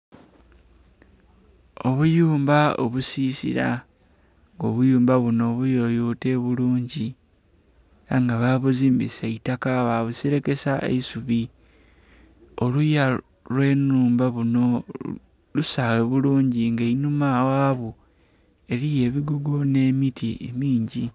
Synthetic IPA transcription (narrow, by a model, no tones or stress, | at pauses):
o̞βujuːmbao̰βusiːsḭɾa̰ | ŋɡo̞βujuːmbaβuno̞ːβujojote̞ːβuluːɲɟi | aŋɡaβaːβuziːmbḭseitakaβaβusiɾe̞ke̞saḛisuβi | o̞luja | lwe̞ːnuːmbaβuno̞ | lusaweβuluːɲɟiŋɡainumawaːβu | e̞ɾije̞ːβiɡuɡo̞ne̞ːmitʰiʔḛmiːɲɟi